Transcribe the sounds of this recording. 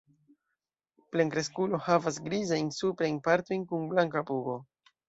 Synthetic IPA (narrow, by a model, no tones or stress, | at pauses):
ple̞ŋkɾe̞skulo̞havasɡɾizajnsupɾajnpaɾto̞jnkunblaŋkapuɡo̞